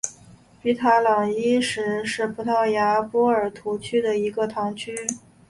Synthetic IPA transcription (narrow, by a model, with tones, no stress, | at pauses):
pi˧˥t̪ʰa˧˥lɑ˨˩ŋi˥ʂɻ̩˧˥ʂɻ̩˥˩pʰu˧˥t̪ʰɑ˥˩ʊja˧˥pwɔ˥ə˞˨˩t̪ʰu˧˥t͡ɕʰy˥d̪ə˨i˧˥ɡə˧t̪ʰɑ˧˥ŋt͡ɕʰy˥